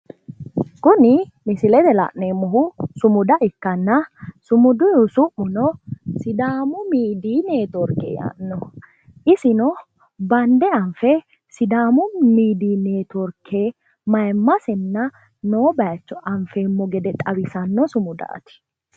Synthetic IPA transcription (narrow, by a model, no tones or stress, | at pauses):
kʊnɪ | mɪsɪlɛd̪ɛla̰ʔneːmːɔɦʊsʊmʊd̪ɐʔɪkːɐnːɐsʊmʊd̪ʊjʊsʊʔːʊnɔsɪd̪aːmʊmiːd̪iːneːt̪ɔɾkːḛːja̰ːʔnːɔ | ʔɪsɪnɔ | bɐnd̪ɛɐɱfɛ | sɪd̪aːmʊmiːd̪iːneːt̪ɔɾkʰːeː | mɐjmːɐsɛnːɐ | noːbɐjɐt͡ʃːɔʔɐɱfeːmːɔɡɛd̪ɛt̪ʼɐwɪsɐnːɔsʊmʊd̪a̰ːt̪ɪ̥